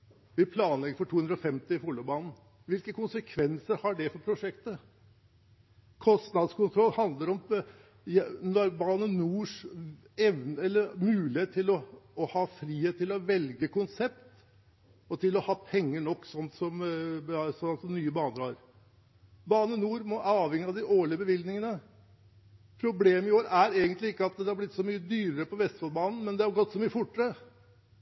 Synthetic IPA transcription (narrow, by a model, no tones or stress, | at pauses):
ʋɪpʰlɑːnlɛɡəɾfɔʈʰuːhʉnd̪ɾɔfɛmt̪ɪɪfulʊbɑːnn̩ | ʋɪlkəkʊnsəkʰʋɛnsəɾhɑɖɛfɔɾpʰɾʊʂɛkt̪ə | kʰɔst̪nɑd̪skʊnt̪ʰɾɔlːhɑnd̪ləɾɔm | jnɔɾbɑːnənuːʂ | ɛʋnɛlːəɾmʉːlɪheːt̪ʰːɪlɔːhɑːfɾiːheːt̪ʰːɪlɔʋɛlɡəkʊnsɛpt̪ | ɔt̪ʰɪlɔhɑːpʰɛŋːəɳɔkːsɔnt̪sɔm | sɔɑsɔmnyːəbɑːnəɾhɑ̰ɾ | bɑːnənuːɾmɔʔɑːʋhɛŋːɪɑd̪ɪʔoːɭɪəbəʋɪld̪nɪŋənə | pʰɾʊbleːmɪoːɾæɾeːɡənt̪lɪɪkːəɑt̪̚d̪ɛhɑblɪt̪ːsɔmyːəd̪yːɾəɾəpɔʋɛst̪fɑːlbɑːnn̩mɛnd̪ɛhɑɾɡɔt̪ːsɔmyːəfʊʈːəɾə